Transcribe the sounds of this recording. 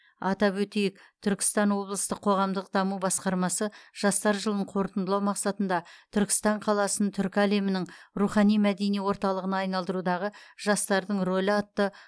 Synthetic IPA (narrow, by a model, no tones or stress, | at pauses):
ɑt̪ɑpwɵt̪ejɪkt̪ʰʏɾkʲɪ̥st̪ɑnwo̞blˠəst̪əqʰːo̞ʁɑmd̪əq̚d̪ɑmubɑsqɑɾmɑsəʒ̥ɑst̪ɑɾʒəlˠəɴqʰo̞ɾt̪ənd̪əlˠɑwmɑqsɑt̪ənd̪ɑt̪ʰʏɾkʲɪ̥st̪ɑɴqʰɑlˠɑsənt̪ʰʏɾkʲæle̞mɪnɪŋruχɑnijmæd̪e̞niwo̞ɾt̪ɑlˠəʁənɑːjnɑlˠd̪əɾud̪ɑʁəʒ̥ɑst̪ɑɾd̪əɴro̞lʲɑt̪ːə